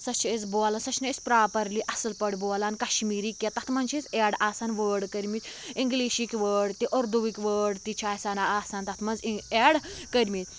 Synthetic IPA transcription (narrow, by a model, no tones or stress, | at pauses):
sɐt͡ʃʰezbolansɐt͡ʃʰnɐespɾaːpəɾliʔɐsəlpəɽbolankɐɕmiːɾiːkːet̪ɐt̪ʰmɐnt͡ʃit͡seɽaːsaːnʋəɽkəɾmiːt̪iŋɡliɕikʋəːɖt̪iʔɔɾd̪uʋikʲʋəːɽt̪it͡ʃʰaːsanaaːsaːnt̪ɐt̪ʰmɐnzieɽkəɾmit̪